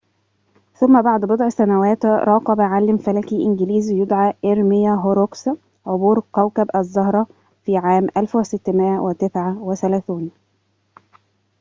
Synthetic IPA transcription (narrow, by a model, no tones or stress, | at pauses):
θʊmːæbaʕd̪bod̪ˤʕsænæwæːt̪ɾˤɑːqɑbæʕalːɪmfælækiʔɪnɡɪliːzjʊd̪ʕaʔɪɾmɪjæɦoɾoks | ʕobuːɾkæwkæbʔæzˤːɑhɾˤɑ | fiːʕaːmʔælfwɪsɪt̪ːmɪʔæwɪt̪ɪsʕaweθælæːθuːn